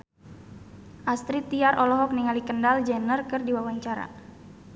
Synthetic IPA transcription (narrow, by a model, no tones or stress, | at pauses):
ʔast̪ɾit̪iaɾʔɔlɔɦɔk̚niŋalikəndald͡ʒɛnərkərdiwawaɲt͡ʃaɾa̰